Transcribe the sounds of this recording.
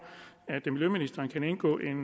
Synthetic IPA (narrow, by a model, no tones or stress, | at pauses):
æd̥miljøminisd̥ɐːnkʰæne̝nɡ̥ɔ̰̽ːʔe̝n